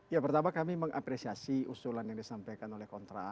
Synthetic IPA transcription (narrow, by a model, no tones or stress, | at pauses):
japərt̪amakamiməŋʔa̰pɾesiasiusulanjaŋdisampajkanolɛhkɔnt̪ɾa̰